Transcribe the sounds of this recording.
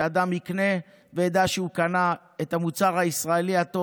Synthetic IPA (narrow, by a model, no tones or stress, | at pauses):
ad̪amhikne̞ | vejed̪aʃeukana | et̪hamut͡saʁhaisʁaeliat̪o